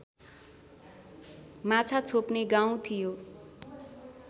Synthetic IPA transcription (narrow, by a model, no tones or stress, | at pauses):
mat͡sʰat͡sʰopneɡaw̃t̪ʰijo